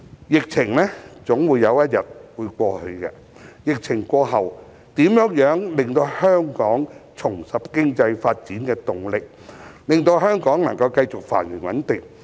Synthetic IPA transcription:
jɪ˨k̚t͡sʰɪ˨˩ŋlɛː˥t͡sʊ˨˥ŋwuː˨˧jːɐ˨˧wjɐ˥t̚jɐ˨˩t̚wuː˨˧jkʷɔː˧hɵ˧kɛ̰˧ | jɪ˨k̚t͡sʰɪ˨˩ŋkʷɔː˧ɦɐ˨w | t̪iː˨˥mjœː˨˥ŋjœː˨˥ŋlɪ˨ŋt̪o˧whœː˥ŋkɔː˨˥ŋt͡sʰʊ˨˩ŋsɐ˨p̚kɪ˥ŋt͡sɐ˧jfaː˧t̚t͡siː˨˥nkɛː˧t̪ʊ˨ŋlɪ˨k̚ | lɪ˨ŋt̪o˧wɦœː˥ŋkɔː˨˥ŋnɐ̰˨˩ŋkɐ˧wkɐ˧jt͡sʊ˨k̚fa̰ː˨˩nɥɪ˨˩nwɐ˨˥nt̪ɪ˨ŋ̚

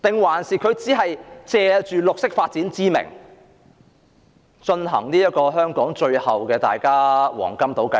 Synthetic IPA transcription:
t̪ɪ˨ŋwaː˨˩nsiː˨kʰɵ˨˧ɥt͡siː˨˥ɦɐ˨jt͡sɛː˨˧t͡ʃyː˨˩lʊ˨k̚sɪ˥k̚faː˧t̚t͡siː˨˥nt͡siː˥mɪ̰˨˩ŋ | t͡ʃɵ˧nɦɐ̰˨˩ŋniː˥jɐ˥t̚kɔː˧ɦœː˥ŋkɔː˨˥ŋt͡ʃɵ˧ɥhɐ˨wkɛː˧t̪a̰ː˨jkaː˥wɔ̰ː˨˩ŋkɐ˥mt̪o˨˥wkɐ˨˧

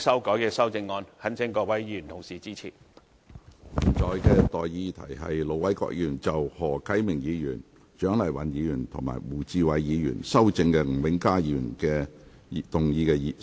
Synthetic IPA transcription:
sɐ˥wkɔː˨˥jkɛː˧sɐ˥wt͡sɪ˧ŋːɔː˧nhɐ˨˥nt͡sʰɪ˨˥ŋkɔː˧wɐ˨˥jiː˨˧˥y˨˩nt̪ʰo˨˩wsiː˨˩t͡siː˥t͡sʰḭː˨˩˨ | t͡sɔː˨˧jkɛː˧t̪ɔː˨jjiː˧t̪ʰɐ̰˨˩jɦɐ̰˨jlo˨˧wɐ˨˥jkɔ̰˧k̚jyː˨˩nt͡sɐ˨whɔː˨˩kʰɐ˨˥jmɪ˨˩ŋjiː˨˧jyː˨˩n | t͡ʃœː˨˥ŋlɐ˨˩jwɐ̰˨njiː˨˧jyː˨˩nt̪ʰʊ˨˩ŋma̰ː˨˩jwuː˨˩t͡siː˧wɐ˨˧jjiː˨˧jy̰ː˨˩nsɐ˥wt͡sɪ˧ŋkɛ˧ŋ̩˨˩wɪ˨˥ŋkaː˥ji˧y˨nkɛː˧˨ | t̪ʊ˨ŋjiː˧kɛː˧ji˧˩

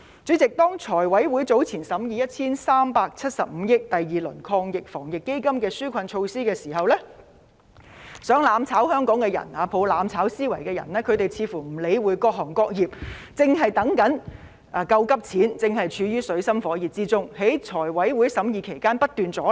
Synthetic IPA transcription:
t͡syː˨˥t͡sɪ˨k̚t̪ɔː˥ŋt͡sʰɔː˨˩jwɐ˨˥jwuː˨˥jt͡so˨˥wt͡sʰiː˨˩nsɐ˨˥mjiː˨˧jɐ˥t̚t͡sʰiː˥nsaː˥mpaː˧k̚t͡sʰɐ˥t̚sɐ˨p̚m̩ː˨˧˦jɪ˥k̚t̪ɐ˨jːiː˨lɵ˨˩nkʰɔː˧ŋjɪ˨k̚fɔː˨˩ŋjɪ˨kːe˥jkɐ˥mkɛː˧syː˥kʷʰɐ˧nt͡ʃʰo˧wsiː˥kɛː˧siː˨˩ɦɐ˨wlɛ˥ | sœː˨˥ŋlaː˨˧mt͡sʰaː˨˥whœː˥ŋkɔː˨˥ŋkɛː˧jɐ̰˨˩naː˨˧pʰo˨˧wlaː˨˧˥mt͡sʰaː˨˥wsiː˥wɐ˨˩jkɛː˧jɐ̰˨˩nlɛː˥kʰɵ˨˧ɥt̪e˨jt͡sʰiː˨˧fuː˨˩m̩˨˩le˨˧jwuː˨˧jkɔː˧k̚ɦɔː˨˩ŋkɔː˧k̚jiː˨˩p̚t͡sɪ˨ŋɦɐ˨jt̪ɐ˨˥ŋkɐ˨˥n | ʔɐ˨kɐ˧wkɐ˥p̚t͡sʰiː˨˥nt͡sɪ˨ŋɦɐ˨jt͡ʃʰyː˨˧jyː˥sɵ˨˧ɥsɐ˥mfɔː˨˥jiː˨˩p̚t͡siː˥t͡sʊ˥ŋhe˨˥jt͡ʃʰɔː˨˩jwɐ˨˥jwuː˨˥jsɐ˨˥mjiː˨˧kʰe˨˩jkaː˥npɐ˥t̚t̪yː˨nt͡sɔː˨˥

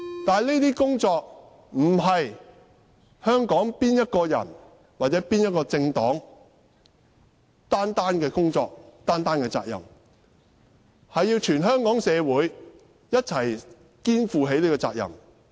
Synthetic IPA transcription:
t̪aː˨jle˥t̪iː˥kʊ˥ŋt͡ʃɔː˧k̚ | m̩˨˩ɦɐ˨j | hœː˥ŋkɔː˨˥ŋpiː˥njɐ˥t̚kɔː˧jɐ̰˨˩n | waː˨t̚t͡sɛː˨˥piː˥njɐ˥t̚kɔː˧t͡sɪ˧ŋt̪ɔː˨˥ŋ | t̪aː˥nt̪aː˥nkɛː˧kʊ˥ŋt͡ʃɔː˧k̚t̪aː˥nt̪aː˥nkɛː˧t͡sa̰ː˧k̚jɐ̰˨˩m | hɐ˨jːiː˧wt͡ʃʰyː˨˩nɦœː˥ŋkɔː˨˥ŋsɛː˨˧wuː˨˥j | jɐ˥t̚t͡sʰɐ˨˩j | kiː˥nfuː˨˧ɦe˨˥jleː˥kɔː˧t͡sa̰ː˧k̚jɐ̰˨˩m

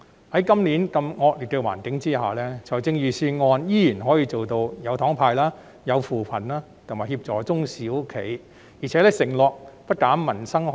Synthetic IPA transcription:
hɐ˨˦jkɐ˥mliː˨˥nkɐ˧mŋɔː˧k̚liː˨˩t̪o˧wa̰ː˨˩nkɪ˨˥ŋt͡siː˥ɦaː˨˩lɛ˥t͡sʰɔ˨˩jt͡sɪ˧ŋjyː˨˩siː˧ŋɔː˧njiː˥jiː˨˩nɦɔː˨˥jiː˧t͡so˨wt̪o˧wjɐ˨˧wt̪ʰɔː˨˥ŋpʰaː˧jlaː˥ | jɐ˨˧wfuː˨˩pʰɐ˨˩nlaː˥ | t̪ʰmaː˨˩hiː˧p̚t͡sɔː˨˩t͡sʊ˥ŋsiː˨˥wkʰḛ˨˩j | jiː˨˩t͡sʰɛː˨˥lɛː˥sɪ˨˩ŋlɔː˨k̚pɐ˥t̚kaː˨˥mːɐ˨˩nsɐ˥ŋ

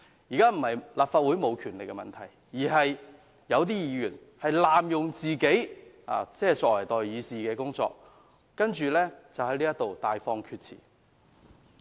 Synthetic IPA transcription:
jiː˨˩kaː˥m̩˨˩hɐ˨jlaː˨˩pfaː˧t̚wu˨˥jmo˨˧wkʰyː˨˩nlɪ˨k̚ːɛ˧mɐ̰˨nt̪ʰɐ˨˩j | jiː˨˩ɦɐ˨j | jɐ˨˧wt̪̬iː˥jiː˨˥jyː˨˩nhɐ˨jlaː˨mjʊ˨ŋt͡siː˨ke˨˥j | a̰ː˨˧t͡sɛː˥t͡sɔː˧k̚wɐ˨˩jt̪ɔː˨jjiː˨˧siː˨kɛː˧kʊ˥ŋt͡sɔ̰ː˧k̚ː | ɐ˥nt͡ʃyː˨lɛː˥t͡sɐ˨whɐ˨˥jliː˥jɐ˥t̪o˨wt̪aː˨jfɔː˧ŋkʰyː˧t̚t͡sʰḭː˨˩

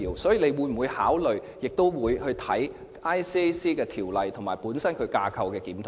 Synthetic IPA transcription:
iː˨˩wsɔː˨˥jiː˨˧le˨˧jwuː˨˧˥jm̩˨˩wuː˨˧jhaː˨˥wlɵ˨˩ɥ | jɪ˨k̚t̪o˥wwuː˨˧jhɵ˧ɥt̪ʰɐ˨˥j | ʔaː˥jsiː˥siː˥kɛː˧t̪ʰiː˨˩wlɐ˨jt̪ʰo˨˩ŋmaː˨˩jpuː˨˥nsɐ˥nkʰɵ˨˧kaː˧kʰɐ˧wkɛː˧kiː˨˥mt̪ʰʊ˨˩

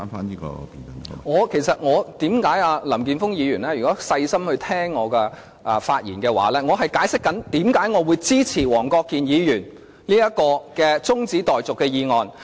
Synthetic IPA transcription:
nfaː˥niː˦˥kɔ̰ː˧piː˨nɐ˨˩ŋŋɔː˨˧kʰe˨˩jsɐ˨t̚ŋɔː˨˧t̪iː˨˥mkaː˨˥jaː˧lɐ˨˩mk̬iː˨nfʊ˥ŋjiː˨˧jyː˨˩nɛː˥jy˨˩kɔː˨˥sɐ˧jsɐ˥mhɵ˧ɥt̪ʰɛː˥ŋːɔː˨˧kɛː˧ | ʔɐ˨faː˧t̚jiː˨˩nkɛː˧wa̰ː˨˥lɛː˥ŋɔː˨˧ɦɐ˨jkaː˨˥jsɪ˥kːɐ˨˥nt̪iː˨˥mkaː˨˥jŋɔː˨˧wu˨˧jt͡siː˥t͡sʰiː˨˩wɔː˨˩ŋkɔː˧kːiː˨njiː˨˧jyː˨˩n | liː˥jɐ˥kːɔː˧kɛː˧t͡sʊ˥ŋt͡siː˨˥t̪ɔː˨jt͡sʊ˨kːɛː˧jiː˨˧ŋɔː˨n

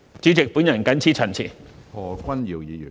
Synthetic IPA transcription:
t͡ʃy˨˥t͡sɪ˨k̚pu˨˥njɐ˨˩nkɐ˨˥nt͡sʰiː˥t͡sʰɐ˨˩nt͡sʰḭ˨˩hɔː˨˩kʷɐ˥nji˨˩wjiː˨˧jy˨˩

